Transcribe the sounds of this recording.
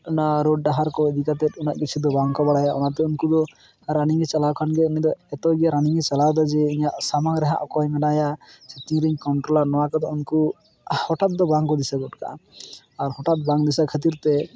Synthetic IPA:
naɾoɖ̚ːaɦaɾkɔəd̪ikat̪ɛt̪̚ˀunaʔkit͡ʃʰid̪ɔbaŋkɔbaɽajaʔṵnat̪ɛunkud̪ɔ | ɾaniŋɛt͡ʃalawkʰanɡɛunid̪ɔɛt̪ɔɡiaɾaniŋɛt͡ʃalawd̪ad͡ʒɛiɲaʔsamaŋɾɛɦa̰ʔɔkɔjmɛnajad͡ʒɛt̪iŋɾiɲkɔɳʈɾɔlaɾnɔwakɔd̪ɔunku | hɔʈat̪̚d̪ɔbaŋkɔd̪isaɡɔʈka̰ | aɾhɔʈat̪̚baŋd̪isakʰət̪̬iɾt̪ɛ

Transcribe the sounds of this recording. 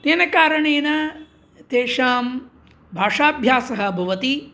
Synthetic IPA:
t̪eːnɐkaːɾɐɳeːnɐ | t̪eːʂaːm | bʱaːʂaːbʱjaːsɐɦɐbʱɐʋɐt̪i

